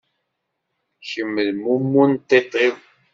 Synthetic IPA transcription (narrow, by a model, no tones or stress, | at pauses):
çəmːəðmumːunt̪ːet̪ˤːiw